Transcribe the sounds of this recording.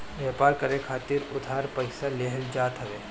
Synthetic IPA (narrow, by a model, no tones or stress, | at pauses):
ʋjeːpaːɾkɐɾekʰaːt̪ɪɾʊd̪ʱaːɾpɐɪsaleɦɛld͡ʒaːt̪ɦɐʋeː